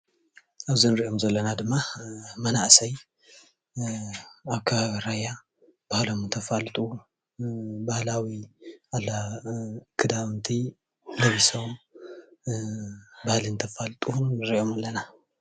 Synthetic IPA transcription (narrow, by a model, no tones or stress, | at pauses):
ʔaβzinɨɾiʔo̞mzɐlːɐnad̪ɨmːamɐnaʔsɐj | aβkʰaβaβiɾajːa | b̥ahlo̞mɨnt̪ʰɐfalt̪ʼu | bahlawialːa | kʰɨd̪aβnt̪ʰi | lɐβisom | bahlint̪ʰɐfalt̪ʼunːɨɾiʔo̞malːɐna